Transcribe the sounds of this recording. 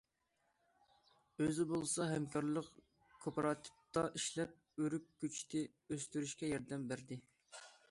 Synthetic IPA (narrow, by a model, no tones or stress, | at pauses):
øzɪbolˠɨsɑɦɛmkʰɑɾlˠəq | kʰopɑɾɑt̪ʰɨ̥p̚t̪ɑʔiʃlɛp̚øɾykʲkʲːyt͡ʃʰt̪ʰɪ | øst̪yɾyʃkʲɛjɑɾd̪ɛmbæɾd̪ɪ